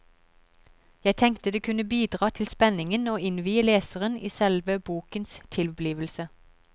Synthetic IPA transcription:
jæɪt̪ʰɛŋkt̪əd̪eːkʰʉnəbiːd̪ʁɑːt̪ʰɪlspɛnɪŋənoːɪnʋiːəleːsəʁəniːsɛlʋəbuːkənst̪ʰɪlbliːʋəlsə

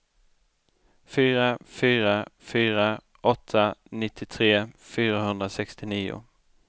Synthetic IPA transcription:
fyːɾafyːɾafyːɾa | ʔɔt̪ʰːanɪt̪ʰːɪt̪ʰɾeːfyːɾaɦɵnd̪ɾasɛkst̪ɪniːʊ̰

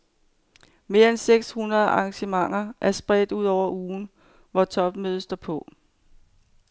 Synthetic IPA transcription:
me̝ːɐenseɡ̥shunʁɐðˠʔɑ̈ŋɕəmɑ̈ŋ̰ɐʔæɐsb̥ʁɛd̥uð̞̰ˠɒʊ̰ɐʔuːn̩ | ʋɒt͡sʰɒ̽b̥møð̞ˠsd̥ɒpʰɔ̽

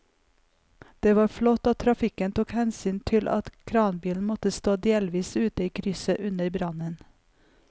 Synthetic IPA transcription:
d̪̥eːʋɑːɾflɔt̪oːt̪ʰɾɑfɪkənt̪uːkhɛnsyːnt̪ʰɪlʔɑ̰t̪kʰɾɑːnbiːln̩mɔt̪əst̪oːd̪eːlʋiːsʉːt̪əiːkʰɾʏsəʔʉnəɾbɾɑnən

